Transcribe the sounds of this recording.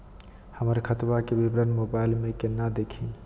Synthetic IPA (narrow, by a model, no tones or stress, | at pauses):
həməɾkʰət̪bakebibɾənmobailmekenəd̪ekʰi